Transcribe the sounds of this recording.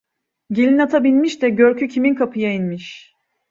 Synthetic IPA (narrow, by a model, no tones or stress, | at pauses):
ɟilʲinat̪ʰabilʲmiʃd̪ɛɟøɾcʰycʰiminkʰapʰɯjainmiʃ